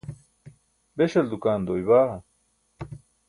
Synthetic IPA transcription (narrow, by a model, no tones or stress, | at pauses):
beɕɐld̪ukaːnd̪oːjbaːʁɐ